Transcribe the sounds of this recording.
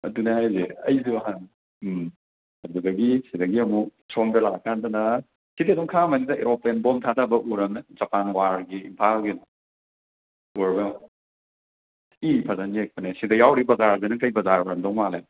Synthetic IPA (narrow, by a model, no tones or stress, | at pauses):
ɐ̰dunɐajzeɐ̰jzuɐɦan | m | ɐdudɐɡisidɐɡiɐmuk̚ | soŋbelakʰːandɐnɐ | sideɐduŋkʰamɐnidɐeɾopenbɔmtʰatʰabɐʔuɾɐmnɐzɐpanwaɾɡiimpʰalɡinɔ | uɾbew | ipʰɐzɐnek̚pɐnesidɐjawɾibɐzaɾzenɐkɐjbɐzaɾɔɾɐmdɔŋmalej